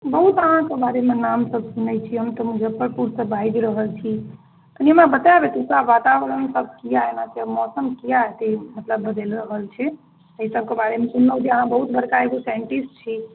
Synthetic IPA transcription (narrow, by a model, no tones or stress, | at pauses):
bəɦut̪əɦãkebaɾemenamsəbsunɛt͡ʃʰiɦəmt̪əmud͡ʒʱepːəɾpuɾsəbaid̪ɾəɦəlt͡ʃʰi | t̪əniemabət̪abet̪ukɾabat̪abɾənsəbʱkijaɦenasiəmɔsəmkijaɦɛt̪imət̪ləbːəd̪elɾəɦəlt͡ʃʰɛ | əɦisəb̚ʱkebaɾemesunːəwd̪iəɦãbəɦut̪̚bəɾkaeɡosaɳʈisʈt͡ʃʰi